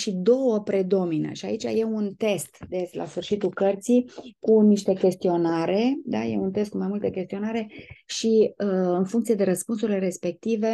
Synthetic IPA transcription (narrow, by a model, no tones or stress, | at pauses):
ʃid̪o̞wəpɾe̞d̪o̞minə̰ʃia̰it͡ʃa̰je̞unt̪e̞st̪d̪et͡ʃla̰sfɨrʃit̪ulkərt̪sijkuniʃt̪e̞kʲe̞st̪io̞naɾe̞d̪a̰je̞̰unt̪e̞st̪̚kumajmult̪əkʲe̞st̪io̞naɾe̞ʃiɨnfuŋkt̪ied̪e̞ɾəspuns̬uɾile̞ɾe̞spe̞k̚t̪ive̞